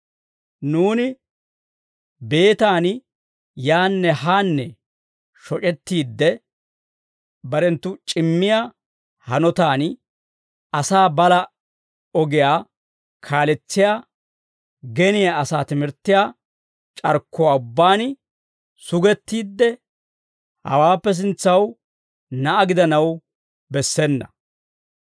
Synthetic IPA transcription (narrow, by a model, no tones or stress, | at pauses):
nuːnɪ | be̞ːt̪aːn | jaːnːɛɦaːnːɛ | ʃɔt͡ʃʼɛt̪ːiːd̪ːɛ | bɐɾɛnt̪ːʊt͡ʃʼɪmːɪja | hɐnɔt̪aːn | ɐsaːbɐlɐ | ɔɡɪjaː | kʰaːlɛt͡sːɪja | ɡɛnɪjaɐsaːt̪ɪmɪɾt̪ːɪjaː | t͡ʃʼɐɾkːʊwaːʊbːaːn | sʊɡɛt̪ːiːd̪ːɛ | hɐ̰waːpːɛs̬ɪnt͡sːɐw | nɐʔːɡɪd̪ɐnɐw | bɛsːɛnːɐ̰